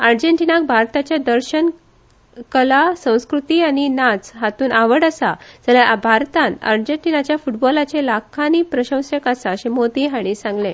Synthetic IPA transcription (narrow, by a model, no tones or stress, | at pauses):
aɾd͡ʑeɳʈinak̚bʱaɾt̪at͡ɕjad̪əɾɕən | kəlasə̃w̃skɾut̪iːaɽ̃inat͡sɦat̪uːnʔaʋəɽasad͡zəljabʱaɾt̪ãna̰ɾd͡ʑeɳʈinat͡ɕjafuʈbɔlat͡selakʰːaniːpɾəɕə̃w̃sekasaəɕemod̪iɦaɽ̃isãŋɡle